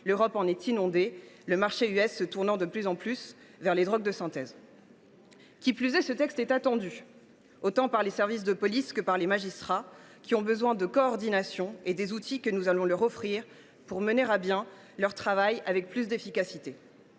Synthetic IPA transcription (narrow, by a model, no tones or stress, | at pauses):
løʁɔpɑ̃nɛt̪inɔ̃d̪eləmaʁʃeyɛsːət̪uʁnɑ̃d̪əplyzɑ̃plys | vɛʁled̪ʁɔɡ̚d̪əsɛ̃t̪ɛz | kʲiplyzɛsət̪ɛkst̪ɛt̪at̪ɑ̃d̪y | ot̪ɑ̃paʁlesɛʁvis̬d̪əpɔliskəpaʁlemaʒist̪χakʲiɔ̃bəzwɛ̃d̪əkɔːʁd̪inasjɔ̃ed̪ezut̪ʰikənuzalɔ̃lœʁɔfχiːʁ | puʁməneʁabjɛ̃ | lœʁt̪χavajavɛk̚plys̬d̪efikasit̪e